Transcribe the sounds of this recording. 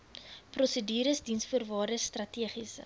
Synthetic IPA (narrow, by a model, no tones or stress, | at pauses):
prɔsədiːɾəsdinsfuərvɑːdəstrɐtiəχisə̰